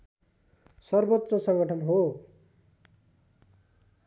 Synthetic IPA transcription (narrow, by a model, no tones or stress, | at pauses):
sʌrbot̪ːrʌsʌ̃ŋɡʌʈʰʌnɦo